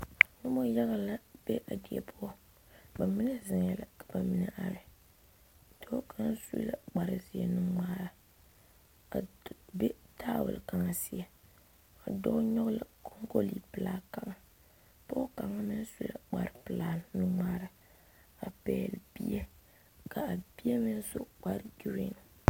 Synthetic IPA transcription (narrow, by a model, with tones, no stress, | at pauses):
nʊ˦mɔ˦ja˦ɣa˨la˦b̥e˦ʔa˨di˨ɛ̰˨pʰʊ˦a˦ | ba˨mi˦na˦zɪ˨ŋjɛ˨la˨kḁ˨ba˨mi˦na˨ʔa˨ɾɨ˦˨ | do˦ka˦n˦sṵ˦la˨ɡ͡ba˨ɾɨ˨zi˨ɛ̰˨nɨ˦ŋ͡maː˦ɾa˨ | be˦taː˦wʊ̰˨lka˨ŋa˨si˦a˨ | a˨dɔ˦ɲɔ˦ɣla˨kʰo˦ŋɡo˦li˨pɨ˨laː˦ka˨ŋa˨ | po˦ka˨ŋa˦mɨ˦n˦su˦la̰˨ɡ͡ba̰˨ɾɨ˨pɨ˨laː˦nu˦ŋ͡maː˦ɾa˨ | a˨pɛ̰ː˨lbi˦ɛ˦ | ka˨a˨bi˦e˦mɨ˦n˦so˦k͡pa˦ɾɡi˦ɾḭ˦˨ŋ˨